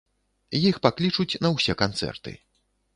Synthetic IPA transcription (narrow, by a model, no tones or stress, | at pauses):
jixpaklʲit͡ʂut͡sʲnɐwsʲɛkant̪sɛ̰rt̪ɨ̰